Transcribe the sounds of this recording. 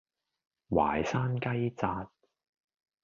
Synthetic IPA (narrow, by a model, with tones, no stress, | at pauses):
wa̰ː˨jsaː˥nkɐ˥jt͡saː˧t̚